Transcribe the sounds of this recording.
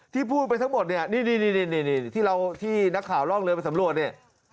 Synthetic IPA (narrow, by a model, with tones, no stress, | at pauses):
t̪ʰiː˥˩pʰuː˥˩t̪̚pa˧jt̪ʰa˦˥ŋmo˨˩t̪̚ni˥˩ɐniː˥˩niː˥˩niː˥˩ni˥˩niː˥˩niː˥˩t̪ʰiː˥˩ɾa˧wt̪ʰiː˥˩na˦˥kʰːaː˩˦wlɔ˥˩ŋlɤː˧pe˧nsa˩˦mɾu˨˩ət̪̚ni˥˩ə